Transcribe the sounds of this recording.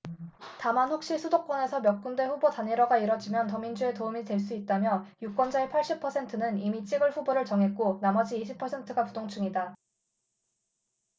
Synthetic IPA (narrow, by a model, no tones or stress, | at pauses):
tamanɸok̚ɕ͈iɭsʰudok̚k͈ʌne̞sʰʌmjʌk̚k͈undwe̞ɸubotaniɾʌɡaiɾʌd͡ʑimjʌntʌmind͡ʑue̞toumitwe̞ɭs̬͈uit̚t͈amjʌjuk͈wʌnd͡ʑaepʰaɭɕ͈ipʰʌsʰe̞ntʰɯnɯnimit͡ɕ͈iɡɯɭɸuboɾɯɭt͡ɕʌŋɦe̞k͈onamʌd͡ʑiːɕʰipʰʌsʰe̞ntʰɯɡapudoŋt͡ɕʰuŋida